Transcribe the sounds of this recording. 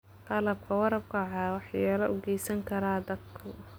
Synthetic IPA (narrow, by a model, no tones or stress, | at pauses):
q̪ɑlɐb̚kʰɐwɑɾɐb̚kʰʊʕɑːwɑħjaːlɐʔʊɡɛjsɐŋkʰɐɾaːd̪ɐd̪kʰʊ